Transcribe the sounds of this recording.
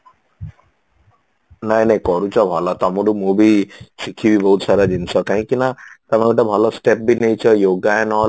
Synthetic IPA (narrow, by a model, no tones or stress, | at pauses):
najnajkɔɾut͡ʃɔbʱɔlɔt̪ɔmuɽumubisikʰibibɔɦut̪saɾad͡ʒint͡ʃʰɔkaɦĩkinat̪ɔmaɡuʈabʱɔlɔsʈep̚binejt͡ʃʰɔjoɡaanɔl